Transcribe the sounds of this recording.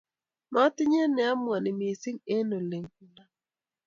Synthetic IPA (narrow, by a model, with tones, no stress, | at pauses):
nɔ˨˦a˦tɪ˦ɲ˦e˦nɛ˨a˦mwa˨nɪ˨mi˨e˨sɪ˦ŋe˦no˨le˨ŋku˨na˨